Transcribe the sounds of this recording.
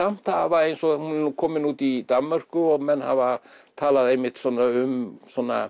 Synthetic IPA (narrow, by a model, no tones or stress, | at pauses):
am̥t̪havaejnsɔhunɛukʰɔːmɪnuːt̪id̪amːœr̥kʏɔɣmɛnha̰vat̪ʰaːlaðejmɪht̪sɔːnːaʏmsɔnːa